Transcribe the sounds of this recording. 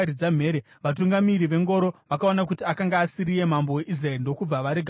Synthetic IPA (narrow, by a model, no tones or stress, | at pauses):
ɾid͡zam̤eːɾe | ʋatuŋɡamiɾiʋe̞ŋɡo̞ɾo̞ʋakao̞nak̬utiakaŋɡaːsiɾije̞mambo̞we̞ʔis̬raeɾndo̞kub͡vaʋaɾeɡʱ